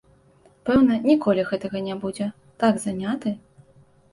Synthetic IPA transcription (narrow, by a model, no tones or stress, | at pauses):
pɛwnɐnʲikɔlʲiɣɛt̪ɐɣɐnʲabud͡zʲɛ | t̪aɡzanʲat̪ɨ